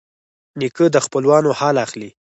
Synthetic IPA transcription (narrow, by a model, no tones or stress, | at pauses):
nikəd̪əxpəlwɑnohɑlaxli